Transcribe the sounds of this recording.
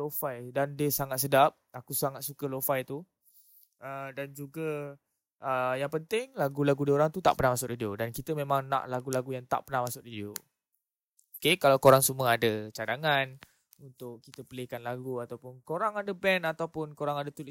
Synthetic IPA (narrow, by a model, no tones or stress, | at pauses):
lofajdandiəsaŋat̪̚sədap̚akusaŋat̪̚sukəlofajt̪u | ədand͡ʒuɡə | əjaŋpənt̪ɪŋlaɡulaɡudioɾaŋt̪ut̪a̰ʔpənahmasʊk̚didiodankit̪əmẽmãŋnã̰ʔlaɡulaɡujaŋt̪a̰ʔpənahmasʊk̚didio | okekalawkoɾaŋsuməadət͡ʃadaŋan | unt̪ʊʔkit̪əpəlekanlaɡuat̪awpʊnkoɾaŋadəbɛnat̪awpʊnkoɾaŋadət̪ul